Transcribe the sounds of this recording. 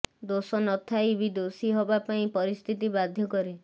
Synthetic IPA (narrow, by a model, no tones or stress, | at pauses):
d̪osɔnɔt̪ʰaibid̪osiɦɔbapaĩpɔɾist̪ʰit̪ibad̪ʱjɔkɔɾe